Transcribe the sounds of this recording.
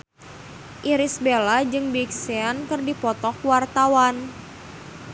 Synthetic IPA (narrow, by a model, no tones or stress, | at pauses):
ʔiɾɪsbelad͡ʒɨŋbiksɛankɨrdipɔt̪ɔkwart̪awan